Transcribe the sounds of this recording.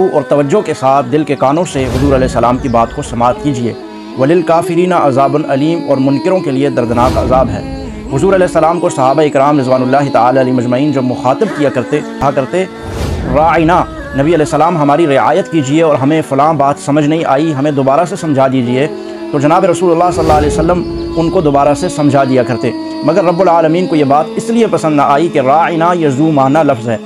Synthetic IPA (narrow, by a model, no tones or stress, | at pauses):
uʔɔːɾt̪ɐʋəd͡ʒokesaːt̪ʰd̪ɪlkekaːnõseɦʊzuːɾɐlɛɦsːɐlaːmkibaːt̪kosɐmaːt̪̚kid͡ʒiḛː | ʋɐlɪlkaːfɪɾiːnaʔɐzaːbʊnɐliːmɔːɾmʊnkɪɾõkelied̪ɐɾd̪ɪnaːkɐ̰zaːbɦɛ̰ː | ɦʊzuːɾɐlɛːɦsːɐlaːmkosɐɦaːbaeɪkɪɾaːmɾɪzʋaːnʊlːaːɦit̪aaːlalimɐd͡ʒmɐiːnd͡ʒɐbmʊxaːt̪əb̚kijakɐɾt̪eakɐɾt̪e | ɾaːina | nɐbiɐlɛːsːɐlaːmɦɐmaːɾiɾɪa̰ːjət̪kid͡ʒieɔːɾɦɐmẽfʊlãːnbaːt̪sɐməd͡ʒʱnɐɦĩʔa̰ːiɦɐmẽd̪oːbaːɾasesɐ̃md͡ʒʱad̪iːd͡ʒie | t̪od͡ʒɐnaːbeɾɐsuːlʊlːaːɦsɐlːaːɐlɛːjosɐlːəm | ʊnkod̪oːbaːɾasesɐ̃md͡ʒʱad̪ijakɐɾt̪e | mɐɡəɾːɐbːʊlaːləmiːnkojebaːt̪ɪsliepɐsə̃nd̪naʔaːikeɾaːɪnajazuːmaːnalɐfzɦɛː